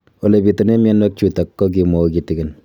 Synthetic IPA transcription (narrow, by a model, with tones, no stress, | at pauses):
o˨le˨pi˨to˨ne˦mjɛ˦nwɛ˦k̚t͡ʃu˨ta˨kːɔ˦k̬i˨mɔ˨kitikɪn